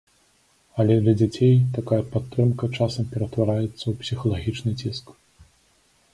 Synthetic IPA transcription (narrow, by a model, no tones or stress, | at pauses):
ɐlʲɛd̪lʲɐd͡zʲat͡sʲejt̪akajɐpat̪ːɾɨmkɐt͡ʂasɐmpʲɛɾɐt̪vaɾajɛt̪sːɐwpsʲixɐlˠaɣʲit͡ʂnɨt͡sʲisk